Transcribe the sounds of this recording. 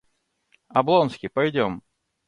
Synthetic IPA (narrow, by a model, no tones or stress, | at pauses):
ɐblˠonskʲɪpɐjdʲom